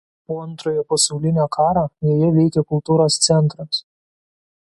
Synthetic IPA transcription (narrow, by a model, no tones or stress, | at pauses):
poːɐnt̪ɾoːjoːpɐsɐʊlʲɪnʲækʰɑːɾɑjɛːjɛʋʲɛɪkʲɛkʊlˠt̪uːɾoːst̪sʲɛnˑt̪ɾɐs